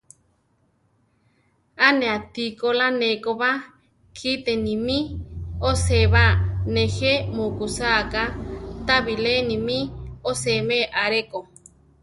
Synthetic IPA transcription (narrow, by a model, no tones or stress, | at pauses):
aneat̪ikolanekoβa | kʰit̪enimĩoseβanehemukusakat̪aβilenimĩosemeʔaɾeko